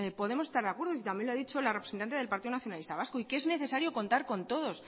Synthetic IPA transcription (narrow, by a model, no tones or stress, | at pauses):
po̞ðe̞mose̞st̪aɾðeakwe̞ɾðos̬it̪ambje̞nloaðit͡ʃo̞larepɾesent̪ant̪eðelpaɾt̪iðonaθjo̞nalist̪aβaskoikee̞zne̞θe̞saɾjo̞ko̞nt̪aɾko̞nt̪o̞ðo̞s